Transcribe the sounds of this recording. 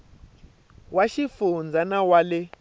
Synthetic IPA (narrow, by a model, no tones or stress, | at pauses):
waʃifund͡zʱanawalɛ